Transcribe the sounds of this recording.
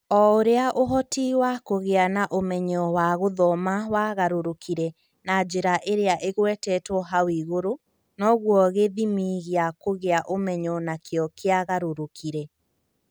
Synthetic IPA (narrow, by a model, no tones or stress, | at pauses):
ɔoɾeaʔoɦɔtiwakoɣeanaʔomɛɲɔwaɣoðɔmawaɣaɾoɾokiɾɛ | nad͡ʒeɾaʔeɾeaʔeɣwɛtɛtwɔɦawiɣoɾo | nɔɣwɔɣeðimiɣeakoɣeaʔomɛɲɔnakʰjɔkeaɣaɾoɾokʰiɾɛ